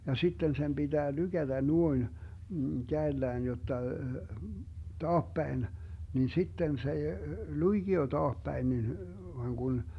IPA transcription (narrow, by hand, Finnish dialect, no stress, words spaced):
jɑ sitːen sem b̥id̥æː lyɡ̊æd̥æ nuoin kæelːæːn jotːɑ tɑːpːæin niːn sitːen s ei luiɡ̊io tɑːhpæin nin ʋoɑŋ ɡ̊un